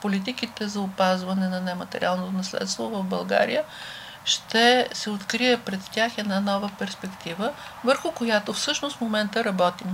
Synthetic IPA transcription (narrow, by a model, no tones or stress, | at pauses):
polit̪̬ikit̪ɛzɐʊpazvɐnɛnɐnɛmɐt̪ɛ̰ɾʲḭalˠnot̪onɐslɛ̰t̪st̪vovəvbɐlˠɡa̰ɾḭjə | ʃt̪ɛsɛot̪kɾiɛpɾɛt̪tʲaxɛd̪nanɔvəpɛɾspɛkt̪ivəvəɾxʊkojat̪ofsɤʃnost̪momɛnt̪əɾɐbɔt̪im